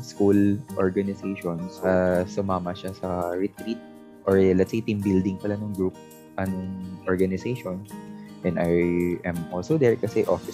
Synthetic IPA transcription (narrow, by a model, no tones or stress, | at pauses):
skulʔoɹɡɐnɪsejʃonsɐsʊmaːmɐʃasɐɹɪt̪ɾit̪̚ | ʔoɹlɛt̪sejt̪imbild̪ɪŋpɐlanɐŋɡɹup̚ | ʔɐnoŋʔɔɹɡɐnɪsejʃonsʔɛ̃nʔajʔɛmʔolsod̪ɛɹkɐsɛʔofɪ